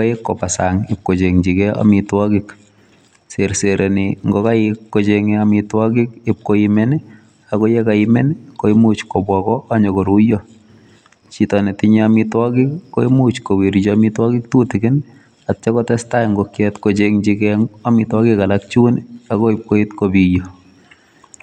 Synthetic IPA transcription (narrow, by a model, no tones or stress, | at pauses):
kaekːopasaŋɪp̚kot͡ʃeŋt͡ʃikɛa̰mitwɔkɪk | seɾseɾʔeniŋɡokaɪkːot͡ʃeŋeamɪtwɔkɪkɪp̚koimɛn | akojɛkaɪmɛnkoɪmut͡ʃkobwakɔaɲɔkoɾujo | t͡ʃitɔnɛtɪɲɛamɪtwakɪkːoimut͡ʃkowiɾit͡ʃɔamɪtwakɪk̚tutɪkɪn | at͡ʃɛkɔtɛstajŋɡokjɛtkot͡ʃeŋt͡ʃikɛamɪtwakɪkalak̚t͡ʃunakɔɪp̚koitkobijo